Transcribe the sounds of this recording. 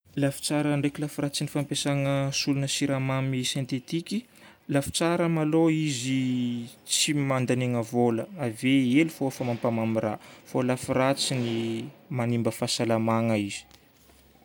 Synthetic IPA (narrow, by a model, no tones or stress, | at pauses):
lafi̥t͡saɾəɳɖ͡ʐekʲilafiɾat͡sinifampesaŋəsulunəsiɾamamisẽnt̪et̪ikʲi | lafi̥t͡saɾəmaloizi | t͡simand̪aneŋəvoləaveelufoafəmampamamiɾafolafiɾat͡sinimanimbəfasalamaŋəiz̥i̥